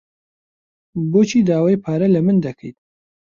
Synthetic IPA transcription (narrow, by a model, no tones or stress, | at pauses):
boːt͡ʃʰiːd̪aːwaːjpʰaːɾɐlɐmɨnd̪ɐkʰəjt̪̚